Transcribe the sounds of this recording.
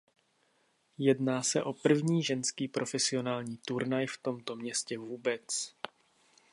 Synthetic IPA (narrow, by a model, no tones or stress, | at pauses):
jɛdnaːsɛʔo̞pr̩vɲiːʒɛnskiːpɾʔo̞fɛsɪo̞naːlɲiːt̪uɾnajft̪o̞mt̪o̞mɲɛscɛvuːbɛt͡s